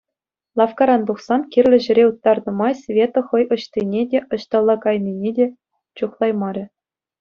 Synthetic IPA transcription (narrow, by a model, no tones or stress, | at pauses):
lˠɑfkɑɾɑnd̪uχsɑnkʲirʲlʲɘ̆ʑɘ̆ɾʲeut̪ːɑrnɤ̆mɑjsʲvʲet̪ŏχɤ̆jɤ̆ɕt̪ʲinʲedʲeʔɤ̆ɕt̪ɑlˠːɑkɑjnʲinʲedʲe | t͡ɕuχlˠɑjmɑɾʲɘ̆